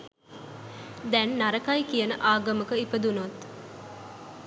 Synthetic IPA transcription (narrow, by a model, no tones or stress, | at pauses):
d̪ɛnːaɾəkajkijənəʔaːɡəməkəipəd̪unot̪